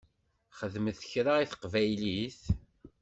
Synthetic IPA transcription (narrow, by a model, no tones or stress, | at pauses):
χəðməθəçɾaiθə̥qvæjliθ